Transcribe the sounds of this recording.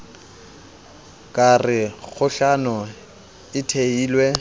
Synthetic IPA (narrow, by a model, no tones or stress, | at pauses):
kʼarɪɣʊɬanʊ | ɪtʰeiːlwe